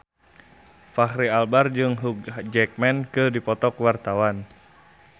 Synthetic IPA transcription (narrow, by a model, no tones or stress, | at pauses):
fahɾialbard͡ʒɨŋɦuk̚d͡ʒɛk̚mɛnkɨdipɔt̪ɔkwart̪awan